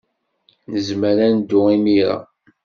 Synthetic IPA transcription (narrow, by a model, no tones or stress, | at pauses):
nəzməɾænd̪ːʊimiɾæ̰